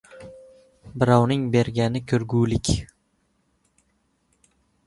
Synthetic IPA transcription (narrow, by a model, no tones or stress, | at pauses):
bɪɾawnɪŋbe̞ɾɡʲanɪkʲʰɵɾɡulɪkʲ